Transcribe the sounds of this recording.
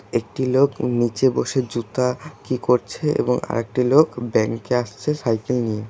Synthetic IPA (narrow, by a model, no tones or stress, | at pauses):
ek̚ʈiloknit͡ɕeboʃed͡ʑut̪akikoɾt͡ɕʰeʔḛboŋa̰ɾek̚ʈilokbɛŋkeaʃt͡ɕʰesajkelnije